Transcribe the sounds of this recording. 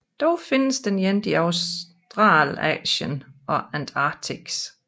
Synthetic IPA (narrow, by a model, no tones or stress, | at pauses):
d̥ɒʊfe̝nəsd̥enjend̥iɑʊs | d̥ʁɑ̰̈ːlɛ̰ɕənʔɒ̽ænd̥ʰɑːt͡sʰiɡ̥s